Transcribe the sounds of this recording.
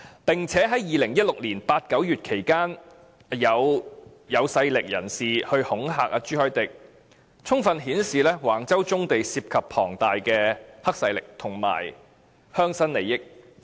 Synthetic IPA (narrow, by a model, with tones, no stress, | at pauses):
pɪ˨˩ŋt͡sʰɛː˨˥ɦɐ˨˥jiː˨˧lɪ˨˩ŋjɐ˥t̚lʊ˨k̚liː˨˩npaː˧t̚kɐ˨˥wjyː˨t̚kʰe˨˩jkaː˥n | jɐ˨˧w | jɐ˨˧wsɐ˧jlɪ˨k̚jɐ̰˨˩nsiː˨hɵ˧ɥhʊ˨˥ŋɦa̰ː˨k̚a˧t͡ʃyː˥hœː˥t̪ɪ˨k̚ | t͡sʰʊ˥ŋfɐ˧nɦiː˨˥nsiː˨lɛː˥waː˨˩ŋt͡sɐ˥wt͡sʊ˥ŋt̪e˨jsiː˧p̚kʰɐ˨pʰɔː˨˩ŋt̪aː˨jkɛː˧hɐ˥k̚sɐ˧jlɪ˨k̚t̪ʰʊ˨˩ŋma̰ː˨˩j | hœː˥ŋsɐ˥nle˨jɪ˥k̚